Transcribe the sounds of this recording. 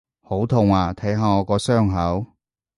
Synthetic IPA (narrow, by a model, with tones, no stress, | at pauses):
ho˨˥wt̪ʰʊ˨ŋaː˨˩t̪ʰɐ˨˥jɦaː˨˧ŋɔː˨˧kɔː˧sœː˥ŋɦɐ˨˥w